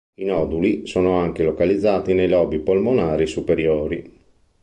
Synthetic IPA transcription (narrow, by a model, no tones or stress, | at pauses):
inɔːd̪ulisoːnoaŋkelokalid̪zːaːt̪inejlɔːbipolmonaːɾisupeɾjoːɾi